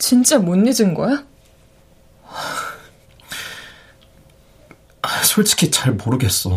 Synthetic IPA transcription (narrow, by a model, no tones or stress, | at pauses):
t͡ɕint͡ɕ͈amonːid͡ʑinɡʌa | asʰoɭt͡ɕʰi̥kʰit͡ɕaɭmoɾɯɡe̞s͈ʌ